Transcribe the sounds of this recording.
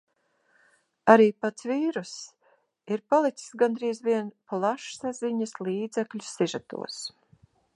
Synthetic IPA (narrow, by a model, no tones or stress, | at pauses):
aɾiːpat̪sviːɾus | iɾpalˠit̪si̥sɡand̪ɾiːzviɛnplˠaʃsaziɲasliːd̪zɛklʲusːiʒat̪ṵɔs